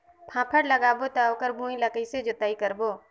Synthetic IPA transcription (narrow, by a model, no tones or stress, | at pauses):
pʰãːpʰəɽləɡaːbot̪ɛoːkəɾbʱũːĩləkəised͡ʒʊt̪aːikəɾboː